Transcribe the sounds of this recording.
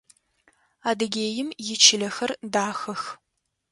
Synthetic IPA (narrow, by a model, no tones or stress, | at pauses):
aːdɨɡʲeːjɪmjɪt͡ʃʰɪlɐxɐrdaːxɐx